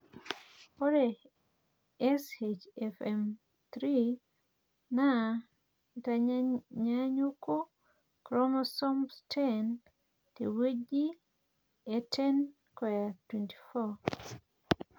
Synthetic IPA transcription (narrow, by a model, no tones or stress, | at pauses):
oɾe | ɛset͡ʃɛfɛm | t̪ɾi | na | taɲaɲuko | kɾɔmɔsɔmstʰen | tḛwed͡ʒi | etʰɛn | kɔjatwɛnti̥fɔ